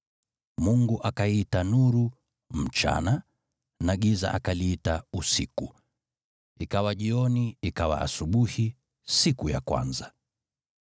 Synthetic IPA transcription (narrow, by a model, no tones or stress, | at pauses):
muŋɡuʔakaitanuɾu | m̩t͡ʃa̰na | naɠiza̰ʔakaliitausiku | ikawaʄiɔniikawa̰ʔa̰suɓuhi | sikuja̰kwa̰nza